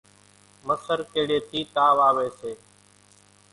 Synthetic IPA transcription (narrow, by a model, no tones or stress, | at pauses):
məsəɾkeːɽeːt̪ʰiːt̪aːʋaːʋeːseː